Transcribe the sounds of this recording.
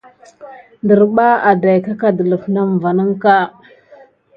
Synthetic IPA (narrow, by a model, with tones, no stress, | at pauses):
ndə˨ɾɓa˦a˨da˨jka˦ka˨də˨lə˨fna˦m˨va˨nə˦ŋka˦